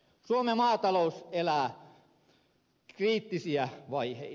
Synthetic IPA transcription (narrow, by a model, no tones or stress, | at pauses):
suomemɑːt̪ɑlouselæː | kriːt̪ːisiæʋɑihḛi